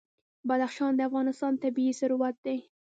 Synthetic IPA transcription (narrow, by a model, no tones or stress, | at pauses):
bad̪axʃɑnd̪əafɣɑnɪst̪ɑnt̪abiisʊɾuwat̪̚d̪e